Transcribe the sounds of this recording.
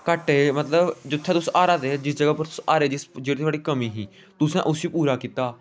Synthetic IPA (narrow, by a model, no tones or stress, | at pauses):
kəʈeːmət̪ləbd͡ʒʊt̪ʰːẽːt̪ʊsʔaːɾaːt̪ed͡ʒɪsd͡ʒəɡaːpəɾt̪ʊsaːɾeːd͡ʒɪsd͡ʒeːɽit̪ʰwaːɽiːkəmĩːɦĩː | t̪ʊsɛ̃ːʔʊsiːpuːɾaːkiːt̪aː